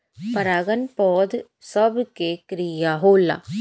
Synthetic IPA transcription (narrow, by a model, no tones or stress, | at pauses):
pɐɾaːɡənpɔːd̪ | səbkekɾijaɦoːla̰ː